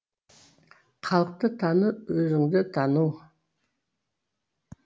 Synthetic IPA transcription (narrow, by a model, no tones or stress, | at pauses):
qʰɑlˠəq̚t̪ət̪ʰɑnəwɵzɪŋd̪ɪt̪ʰɑnu